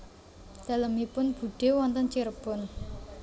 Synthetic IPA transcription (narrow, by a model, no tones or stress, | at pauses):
d̪̥a̤ləmipʊnb̥ṳɖ̥e̤wɔnt̪ənt͡ʃiɾəbʊn